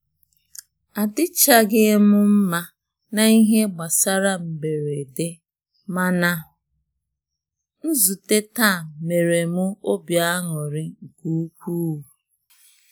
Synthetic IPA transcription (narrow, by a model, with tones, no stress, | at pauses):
a˨dɪ˦t͡ʃa˦ɡe˦e˦mʊ˦m̩˦ma˦ | na˨i˦ɦe˦ɡ͡ba˨sa˦ɾa˦m̩˨be˨ɾe˨de˦ | ma˦na˦ʊ˨ | n̩˦zu˨te˦ta˦˨me˨ɾe˨mʊ˦o˦bja˦ŋɔ˨ɾɪ˦ŋ̩˨ku˦kʷu˦u˨